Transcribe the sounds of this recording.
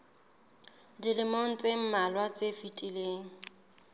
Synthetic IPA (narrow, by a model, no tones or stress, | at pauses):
dilɪmoŋ̩t͡sʼem̩malwat͡sʼefitʼileːŋ̩